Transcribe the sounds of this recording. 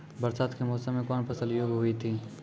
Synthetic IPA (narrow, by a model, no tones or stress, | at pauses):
bɐɾsaːt̪kemɔːsəmːẽkɔːnpəsəljoːɡɦʊit̪ʰi